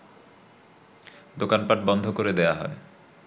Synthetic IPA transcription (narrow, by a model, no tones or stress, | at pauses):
d̪okanpaʈ̚bɔnd̪ʱokoɾed̪ɛaɦɔ̰e